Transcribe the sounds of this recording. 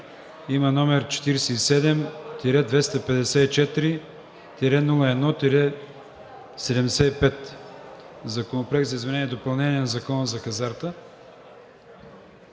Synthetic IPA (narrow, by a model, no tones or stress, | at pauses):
imənɔmɛɾt͡ʃɛ̥t̪iɾɛsɛisɛd̪ɛmt̪iɾɛd̪vɛst̪ɐpɛd̪ɛsɛit͡ʃɛt̪ɾi | t̪iɾɛnulˠəɛd̪nɔt̪iɾɛ | sɛd̪ɛmd̪ɛsɛipɛt̪ | zɐkonopɾoɛk̚t̪zɐizmɛnɛniɛd̪opɐlˠnɛniɛnɐzɐkɔnəzɐkɐzaɾt̪ə